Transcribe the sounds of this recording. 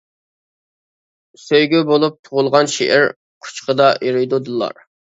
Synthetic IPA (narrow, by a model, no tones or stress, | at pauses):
søjɡʲybolˠup̚t̪ʰʊʁʊlˠʁɑnʃḛʔɛɾ | qʰʊ̥t͡ʃqəd̪ɑiɾɨjd̪ud̪ɨlˠɑ̰ɾ